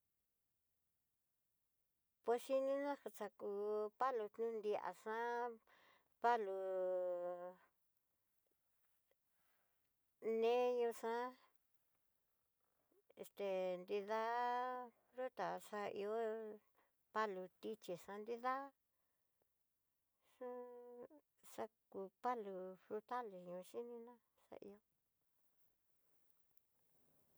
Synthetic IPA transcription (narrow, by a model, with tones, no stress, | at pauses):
pwe˧ʂi˦nĩ˦nã˦ha˧t͡ʃa˧ku˧pa˦lu˧t̪nũ˦nd̪i˧a̰˨ʂã˦ | pa˦lu˧ | nẽ˦ɲũ˧ʂã˦ | e˧st̪e˨˧nd̪i˧ða˦ | ɾu˦t̪a˨ʂa˧ʔḭ˧o˦ | pa˦lu˧t̪i˧t͡ʃi˨ʂã˧nd̪i˦˧ða˦ | ʂũ˦ | ʂa˧ku˧pa˦lu˧fɾu˧t̪a˦le˨ɲũ˧ʃi˦nĩ˧nã˦ | sa̰˧ʔḭ˧o˦